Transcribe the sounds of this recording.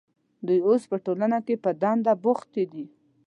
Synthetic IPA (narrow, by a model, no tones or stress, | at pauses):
d̪ujospəʈolanakepəd̪and̪abʊxt̪ed̪i